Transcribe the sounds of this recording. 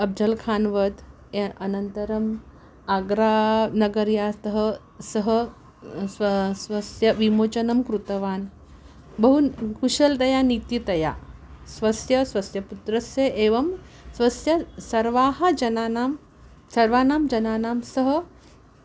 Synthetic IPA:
ɐb̚d͡ʒɐlkʰaːnʋɐd̪ | ɐnɐnt̪ɐɾɐm | aːɡɾaːnɐɡɐɾjaːt̪ɐɦɐ̆ | sɐɦɐ̆ | ssʋɐsjɐʋimoːt͡ʃɐnɐmkɾut̪ɐʋaːn | bɐɦukuʃɐld̪ɐjaːnit̪it̪ɐja̰ːsʋɐsjɐsʋɐsjɐput̪ɾɐsjeʔeːʋɐm | sʋɐsjɐsɐɾʋaːɦɐd͡ʒɐnaːnaːm | sɐɾʋaːnaːmd͡ʒɐnaːnaːmsɐɦɐ̆

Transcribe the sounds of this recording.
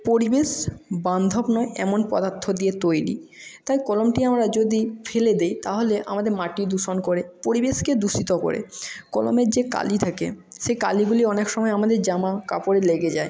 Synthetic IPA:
poɾibeʃband̪ʱobnɔeʔɛ̰monpɔ̰d̪aɾt̪ʰːod̪iet̪ojɽḭ | t̪ajkɔlomʈiamɾad͡ʑod̪ifʰeled̪ejt̪aɦoleʔa̰mad̪eɾmaʈiɾd̪uʃonkoɾepoɾibeʃked̪uʃit̪oko̰ɾḛkɔlo̰meɾd͡ʑeka̰lit̪ʰakḛʃeka̰liɡuliɔnekʃɔmɔeamad̪eɾd͡ʑamaka̰poɾeleɡed͡ʑae

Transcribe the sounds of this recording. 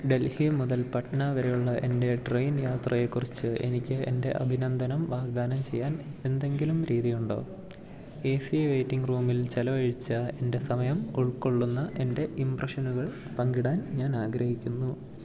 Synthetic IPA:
ɖe̞lhimuðɐlpɐʈɐnaʋɐɾejuɭːɐʔe̞nde̞ʈrejnjaːt̪rɐje̞kːurit͡ɕːɨe̞̰nikʲːɨe̞̰nde̞̰ʔɐ̰bʱinɐnd̪ʱɐnɐmʋaːɡd̪aːnɐmt͡ɕe̞jːaːne̞nd̪e̞ŋɡilumɾiːðijuɳɖo̞̰ː | e̞ːsiʋejtːiŋɡruːmilt͡ɕelɐʋɐɻit͡ɕːɐe̞nde̞sɐmɐjɐmuɭkːo̞ɭːunːɐʔe̞nde̞ʔimprɐʂɐnuɣɐɭ | pɐŋɡiɽaːnɲaːnaːɡɾɐhikʲːunːu

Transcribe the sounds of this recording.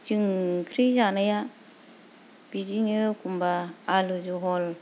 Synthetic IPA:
d͡ʒɯŋkʰɾizanaja | b̥id͡ʒiɲɯkʰumbaːlud͡ʒuɦɔl

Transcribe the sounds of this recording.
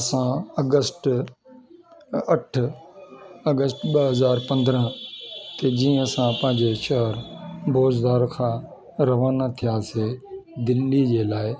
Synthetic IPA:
sãɐɡəsʈ | ɐʈʰ | ɐɡəsʈɓəɦəzaːɾpɐ̃nd̪ɾə̃t̪ed͡ʑĩːə̃sãpɐ̃ɦɪ̃ɲd͡ʑeʃɐɦəɾbʱoːzd̪aːɾkʰãː | ɾɐʋaːnat̪ʰijaːseːd̪ɪlːid͡ʑeːlaːɪ

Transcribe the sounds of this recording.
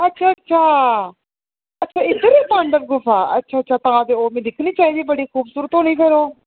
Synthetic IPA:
ətːʃʰaːətːʃʰaː | ətːʃʰaːɪt̪ːɾeːpãːɳɖək̚ɡʊfʰaːə̰tːʃʰaːtːʃʰaːt̪ããːd̪eoːmẽːd̪ɪkʰniːt͡ʃaːiːd̪iːbəɽiːkʰuːbsuːɾət̪ɦoːɽ̃iːkəɾoː

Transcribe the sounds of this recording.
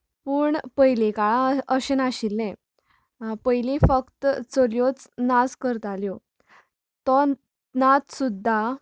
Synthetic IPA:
pəːɳpəjlekaɭãəɕenaɕilːɛ̃ | pəjlĩfəkt̪t͡soljot͡snaskəɾt̪aljɔ | t̪ɔ | nat̪sud̪ʱːa

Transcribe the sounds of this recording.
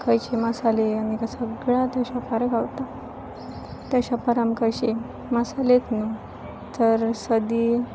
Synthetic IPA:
kʰəjt͡ɕemasaleanikasəɡɭat̪aɕapaɾakawt̪a | t̪aɕapaɾamkəjɕe | masalet̪nu | t̪əɾsəd̪iː

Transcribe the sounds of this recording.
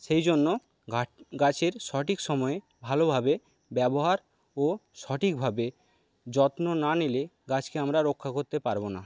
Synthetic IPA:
ʃejd͡ʑonːo | ɡat͡ɕeɾʃɔʈikʃɔmɔe | bʱalobʱabe | bɛboɦaɾ | oʃɔʈʰik̚bʱabe | d͡ʑɔt̪nonanileɡat͡ɕkeamɾaɾokʰːakoɾt̪epaɾbona

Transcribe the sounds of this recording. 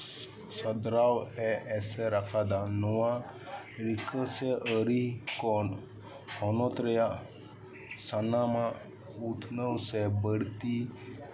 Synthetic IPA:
səd̪ɾawɛːsɛɾakʰad̪anɔwa | ɾikʰəsɛʔəɾikɔn | hɔnɔt̪ɾɛja | sanamã | ut̪ʰnəwsɛbəɽt̪i

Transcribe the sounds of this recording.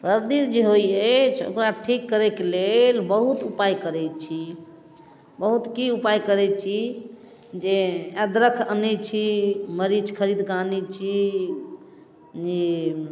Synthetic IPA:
səɾd̪isd͡ʒeɦojət͡ʃʰo̰kɾaʈʰikːəɾɛkelelbəɦut̪upajkəɾɛt͡ʃʰi | bəɦut̪kiupajkəɾɛt͡ʃʰi | d͡ʒeɛd̪ɾəkʰənit͡ʃʰiməɾid͡ʒkʰəɾid̪kanit͡ʃʰi | d͡ʒe

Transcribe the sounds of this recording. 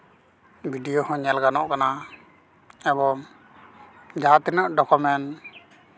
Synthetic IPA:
bʱiɖijohɔ̃ɲɛlɡanɔʔkana | ɛbɔŋ | d͡ʒat̪inəʔɖɔkɔmɛn

